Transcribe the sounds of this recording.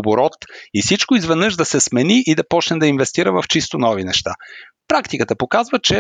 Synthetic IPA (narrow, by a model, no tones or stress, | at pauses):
boɾɔt̪ifsit͡ʃkoizvɛd̪nɤʃd̪ɐsɛsmɛniʔid̪ɐpɔt͡ʃnɛd̪ɐinvɛst̪iɾəvəft͡ʃist̪onɔvinɛʃt̪a̰ | pɾakt̪ikət̪əpokazvət͡ʃɛ